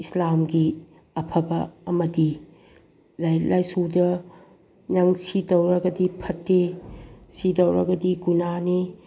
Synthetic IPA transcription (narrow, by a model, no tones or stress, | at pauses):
islamɡi | ɐpʰɐbɐɐmɐdi | lajlajsudɐ | naŋsidɐwɾɐɡɐdipʰɐtːe | sidɐwɾɐ̰ɡɐdiɡunani